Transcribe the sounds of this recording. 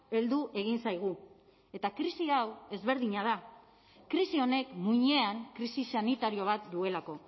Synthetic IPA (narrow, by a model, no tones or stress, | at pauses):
e̞ld̪uʔe̞ɣ̞insajɣ̞u | e̞t̪akɾisiawe̞zβe̞ɾðiɲað̞a | kɾisio̞ne̞kmuɲe̞aŋkɾisisanit̪aɾio̞β̞at̪̚d̪ue̞lako̞